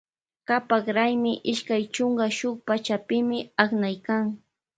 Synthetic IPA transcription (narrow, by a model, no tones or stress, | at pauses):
kapakɾajmɪʔɪʃkajt͡ʃʊŋɡaʃʊk̚pat͡ʃapɪmɪaknajkaŋ